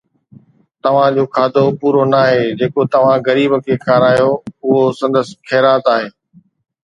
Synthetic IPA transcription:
t̪ɐʋ̤ãd͡ʑoːkʰaːd̪ʱopuːɾonaːɦeːd͡ʑeːkot̪ɐʋ̤ãɣɐɾiːbəkʰeːkʰaːɾaːjoʊɦosɐ̃nd̪əskʰɛːɾaːt̪aːɦeː

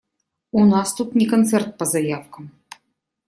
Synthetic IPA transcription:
unɑst̪ut̪nʲikɐnt̪sɛrt̪̚pəzɐjawkəm

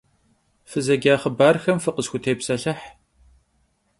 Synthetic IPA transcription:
fɨzɐɡʲaːχəbaːrxɐmfɨqəzxʷʊtʰeːpsɐɬɐħ

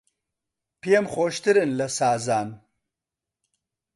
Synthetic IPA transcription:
pijemχoːʃt̪ɨɾɨnlɐsaːzaːn

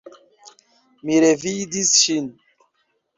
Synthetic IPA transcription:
miɾevidisʃin

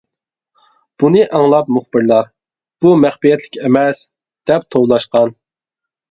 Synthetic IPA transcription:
b̥unɨʔɑŋlˠɑpmuχbɪɾlˠɑɾ | b̥umɛχpijɛt̪ʰlɪkʲɛmɛs | d̪̥ɛp̚t̪ʰowlˠɑʃqɑn

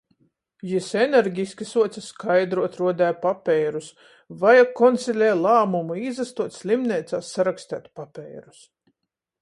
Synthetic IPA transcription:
jisɛneɾɡʲiskʲisuɔt̪saskʰajd̪ɾuɔt̪ɾuɔd̪æːpapʲɛːɾus | vajakɔnt̪sʲilʲɛjlˠaːmumuizast̪uɔt̪ʲsʲlʲimnʲeːt̪saːsːaɾakst̪æ̰ːt̪papʲɛːjɾu̥s

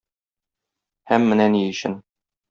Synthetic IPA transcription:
hæmːɘ̆nænijɘ̆ɕɘn

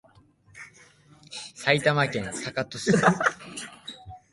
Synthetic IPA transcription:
sait̪amakẽ̞ɰ̃sakat̪osɨ

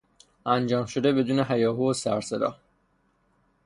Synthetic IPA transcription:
ʔænd͡ʒɒːmʃo̞d̪e̞be̞d̪uːne̞ɦæjɒːɦuːosæɾsed̪ɒ̰ː

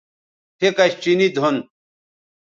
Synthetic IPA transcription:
tʰekɐɕt͡ɕinid̪ʱon

